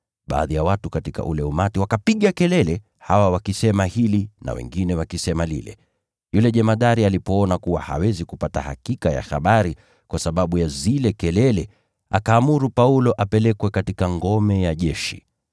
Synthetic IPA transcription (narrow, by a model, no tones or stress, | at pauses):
ɓa̰ːðijawatukatika̰ʔulɛumatiwakapiɠakɛlɛlɛ | hawawakisɛmahilina̰wɛ̰ŋɡinɛwakisɛmalḭlɛ̰ | julɛʄɛmaðaɾialipɔɔnakuwa̰ha̰wɛzikupata̰ha̰kikaja̰xa̰ɓaɾi | kwasaɓaɓujazilɛkɛlɛlɛ | akaːmuɾupaulɔʔapɛlɛkwɛkatikaŋɡɔmɛjaʄɛʃḭ